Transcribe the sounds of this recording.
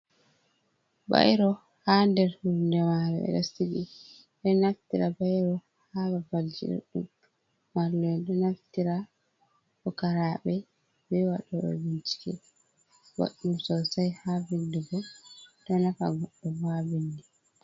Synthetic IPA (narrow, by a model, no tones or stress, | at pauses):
ba̰jɾɔ | handɛɾhuɾndɛmaɾɛɛ̰ɗasiɡḭ | ɗɛnaftiɾabajɾɔ | hababald͡ʒḭɗɛ̰ɗṵm | wallɔndɛnaftiɾa | kɔkaɾaːɓɛ | bɛwaɗɔɗɔ̰bint͡ʃi̥kɛ̰ | ba̰ɗumsɔsajhabindɛɡɔtɔnafa̰ɡɔɗːɔbabindɛ